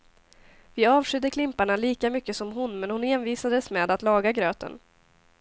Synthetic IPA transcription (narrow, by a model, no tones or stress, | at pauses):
vɪɑːvʂʏd̪ːəkʰlɪmpaɳaliːkamʏkːəsɔmɦʊnmɛnhʊnhenviːsad̪əsmɛːd̪at̪lɑːɡaɡɾøːt̪ə̰n